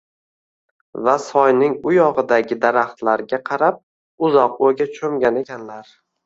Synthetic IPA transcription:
vasɒjnɪŋʊjɒʁɨd̪aɡʲɪd̪aɾaχt̪laɾɡʲaqʰɑɾap̚ | ʊzɒqoɡʲat͡ʃʰɵmɡʲane̞kʲʰanlaɾ

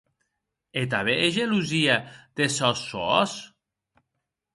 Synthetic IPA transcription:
et̪̬aβeʔeʒeluziad̪esɔsoɔs

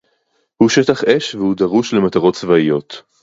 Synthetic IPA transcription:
huʃetaχʔeʃvehud̪aʁuʃlemat̪aʁo̞tt͡svaijo̞t̪

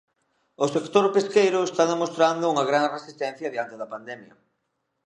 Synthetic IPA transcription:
ʊsekt̪oɾpeskejɾʊest̪aðemost̪ɾand̪ʊuŋɐɣɾanresist̪ɛn̟θjɐðjant̪eðɐpand̪ɛmjɐ̰

